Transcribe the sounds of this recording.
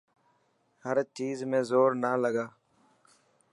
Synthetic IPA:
həɾt͡ʃiːzmẽːzoːɾnaːləɡaː

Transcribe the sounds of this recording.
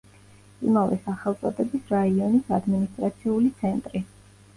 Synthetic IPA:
ḭmavɛ̰saχɛlˠt̪sʼɔ̰d̪ɛbisɾaiɔnisad̪minist̪ʼɾat̪sʰiulit̪sʰɛnt̪ʼɾi

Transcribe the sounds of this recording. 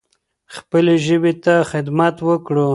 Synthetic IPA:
xpəleʒəbet̪axɪd̪mat̪wəkɽu

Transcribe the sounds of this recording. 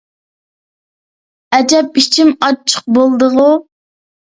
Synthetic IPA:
ɛd͡ʒɛp̚it͡ʃʰimɑt͡ʃʰːə̥q̚bolˠd̪əʁu

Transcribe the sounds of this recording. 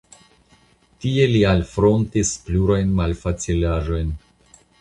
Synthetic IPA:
tie̞lialfɾo̞ntispluɾajnmalfat͡silaʒo̞jn

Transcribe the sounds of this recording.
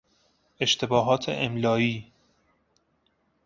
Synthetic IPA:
eʃt̪ʰebɒːɦɒːt̪ʰḛʔemlɒːiː

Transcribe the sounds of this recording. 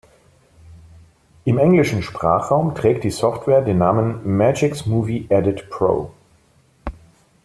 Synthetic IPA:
ʔɪmʔɛŋlɪʃn̩ʃpʁ̥a̰ːχʁ̥aʊmtʁ̥ɛːk̚t̚d̥iːsɔftv̥ɛːɐdeːnːaːmənmɛd͡ʒɪksmuːviʔɛdɪtpʁ̥o̰ː

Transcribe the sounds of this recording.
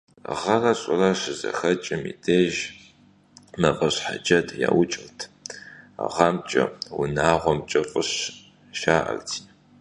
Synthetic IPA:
ʁɐrɐɕʼɪrɐɕɪzɐ̰xɐt͡ʃʼɪmḭdʰeːʒ | mɐfʼɐɕħad͡ʒɐdja̰ːwʊt͡ʃʼɪltʰ | ʁɑmt͡ʃʼɐ̰wʊ̰naːʁʷɔmt͡ʃʼɐfʼɨɕ | ʃaːʔɐ̰rtʰiː

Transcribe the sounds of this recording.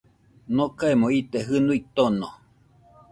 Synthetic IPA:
nokaemõit̪eɦɨnuit̪ono

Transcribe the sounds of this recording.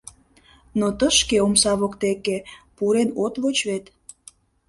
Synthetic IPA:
not̪əʃkeomsɑβokt̪ekepuɾenot̪βot͡ɕβet̪

